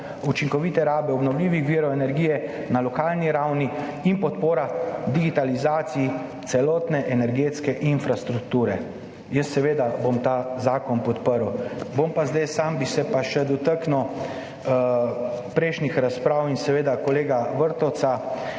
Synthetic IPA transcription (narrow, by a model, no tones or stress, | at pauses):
ut͡ʃiŋkɔʋit̪ɛɾaːbɛɔbnɔwliːʋixʋiːɾɔɛnɛɾɡiːjɛ | nalɔkaːlniɾawniinpɔt̪poːɾad̪iɡit̪alizaːt̪sii | t̪sɛlɔːt̪nɛʔɛnɛɾɡeːt̪skɛʔinfɾast̪ɾukt̪uːɾɛ | jəsːɛʋeːd̪abomt̪aːzaːkɔnpɔt̪pəɾwbompazd̪ajsaːmbisɛpaʃɛd̪ɔt̪əknuw | pɾɛɪʃnixɾaspɾaːwinsɛʋeːd̪akɔleːɡaʋəɾt̪ɔsa